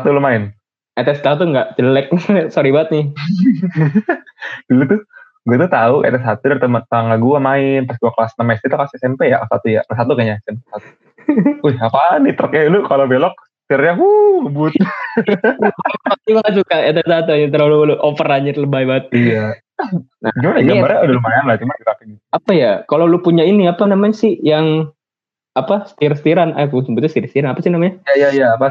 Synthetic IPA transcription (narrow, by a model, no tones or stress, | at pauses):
sat̪ulumaɪn | ɛt̪ɛst̪at̪uŋɡaʔt͡ʃəlɛk̚soɾibaət̪̚nɪh | dulut̪ʊ | ɡuat̪̬ut̪auʔɛ̰t̪ɛsat̪udaɾit̪əmət̪aŋaɡuamaɪnpasɡuakəlasnəmaist̪it̪ukasɪsɛmpɛjaʔsa̰t̪uja̰asat̪ukaɲasɛnpsat̪u̥ | ʊhapanit̪ɾɔk̚ɲailukalobelɔk̚ | t̪irɲaɦuŋəbʊt̪̚ | at̪imaŋasukajat̪əsat̪unit̪̬əɾaluluʔopəɾaɲərləbaibat̪̚ja | na̰d͡ʒumanaɡambaɾaudalumajanlat͡ʃumakiɾakiniapajakalowlupuɲainiapanamaɲasɪhjaŋ | apasə̥t̪iɾs̬t̪iɾanakusəmbut̪ust̪iɾst̪iɾanapasɪihnamaɲajajajaːpa